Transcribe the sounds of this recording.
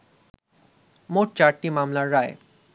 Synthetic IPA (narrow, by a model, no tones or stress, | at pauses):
moʈ̚t͡ɕaɾʈimamlaɾːae